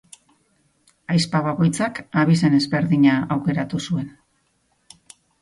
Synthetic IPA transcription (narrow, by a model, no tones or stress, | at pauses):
ajspaβako̞jt͡sakaβis̬e̞ne̞zβe̞ɾðiɲaawke̞ɾat̪usue̞n